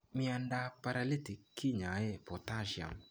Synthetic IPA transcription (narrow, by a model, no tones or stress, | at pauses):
miandapaɾalitikːiɲaɛpɔtaʃja̰m